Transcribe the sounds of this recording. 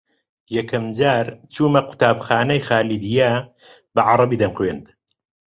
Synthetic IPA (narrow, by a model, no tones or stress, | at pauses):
jɐkʰɐmd͡ʒaːɾt͡ʃuːmɐqu̥t̪aːbxaːnɐjxaːlid̪ija | bɐʕɑɾˤɑbiːd̪ɐmqwend̪